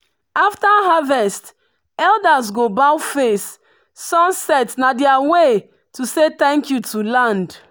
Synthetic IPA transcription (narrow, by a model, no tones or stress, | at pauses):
aftaɦavɛst | ɛldazɡobawfes | sɔ̃nsɛtnadɛawe | tuset̪ɛ̃ŋkjutʰulãnd